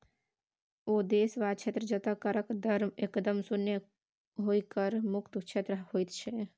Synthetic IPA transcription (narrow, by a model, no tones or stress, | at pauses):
oːd̪eːsʋaːt͡ʃʰet̪ɾəd͡ʒət̪akəɾəkd̪əɾmekd̪əmsʊnjə | ɦoːikəɾmʊkt̪t͡ʃʰet̪ɾəhoːit̪t͡ʃʰɛ